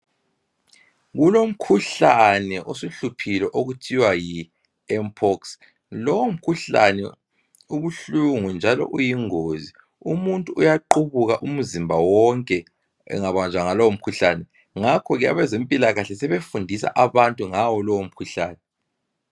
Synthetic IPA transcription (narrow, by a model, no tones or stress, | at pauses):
ɣulom̩kʰuɬanɛʔosuɬupʰilɛʔoɣutʰiwaji | ɛmpʰɔks | lɔwom̩kʰuɬa̰nɛ̰ | uβuɬuŋund͡ʒʱalɔ̰ʔujiŋoːzi | umuntʼuːjaǃuβuɣaʔum̩zimbʱawɔŋkʼɛ | ɛ̰ŋaβand͡zʱwaŋalɔwom̩kʰuɬanɛ | ŋakʰɔɣɛa̰βɛzempʼilaɣaɬɛsɛβefundʱisa̰ʔaβantʼuŋawɔlɔwom̩kʰuɬaːnɛ